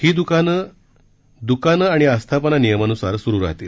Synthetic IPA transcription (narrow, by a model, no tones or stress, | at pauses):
hiːd̪ukan | d̪ukanaɽ̃iəst̪ʰapənanijəmanusaɾsuɾuːɾa̰ɦt̪iːl